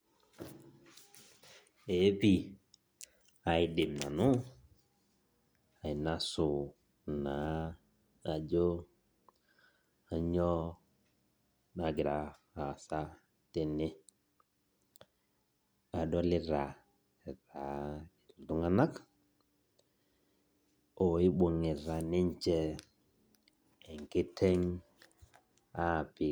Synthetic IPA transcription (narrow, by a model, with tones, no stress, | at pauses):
e˨˦pi˦˨ | a˨i˨dɪ˨mna̰˨nʊ˦ | a˨i˨na˦sʊ˨ | na˨˦ | a˨d͡ʒo˦ | a˨ɲɔ˦ | na˨ɡɪ˨ɾa˨ | a˨sa˦ | te˨nɪ˦ | a˨dɔ˦lɪ˦ɾa˨ | ɾa˨˦ɪ˨ltʊ˦ŋa˦na˦k | ɔ˨ɪ˦ɓo˨ŋɪ˨ɾa˨nɪ˦ɲ˦t͡ʃɛ˦˨ | ɛ˨ŋkɪ˦tʰɛ˦ŋ | a˦˨pɪ˨